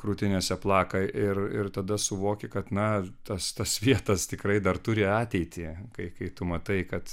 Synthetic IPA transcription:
kɾuːt̪ʲɪnʲɛsʲɛplˠɑːkɐʔɪrɪrt̪ɐd̪ɐsʊʋoːkʲɪkɐt̪nɐt̪ɐst̪ɐsʋʲiɛt̪ɐst̪ʲɪkrɐɪd̪ɐrt̪ʊɾʲɪɑːt̪ʲɛɪt̪ʲɪkɐɪkɐɪt̪ʊmɐt̪ɐɪkɐt̪

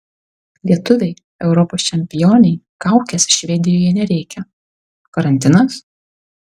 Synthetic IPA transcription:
lʲiɛt̪ʊʋʲɛɪ | ɛʊɾɔpoːst͡ʃʲɛmʲpʲɪjoːnʲɛɪ | kɑˑʊkʲɛsʲʃʲʋʲɛd̪ʲɪjoːjɛnʲɛɾʲɛɪkʲɛ | kɐɾɐnʲt̪ʲɪnɐs

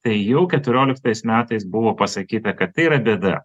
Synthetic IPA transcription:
t̪ɐɪjɛʊkʲɛt̪ʊɾʲoːlʲɪk̚t̪ɐɪsmʲæːt̪ɐɪsbʊʋoːpɐsɐkʲiːt̪ɐkɐt̪ːɐɪiɾɐd̪ʲɛːd̪ɐ̰

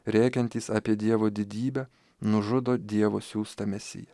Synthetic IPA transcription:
ɾʲæːkʲɛnʲt̪ʲiːsɑːpʲiɛd̪ʲiɛʋoːd̪ʲɪd̪ʲiːbʲɛ | nʊʒʊd̪oːd̪ʲiɛʋoːsʲuːst̪ɐmʲɛsʲɪ̰jɛ

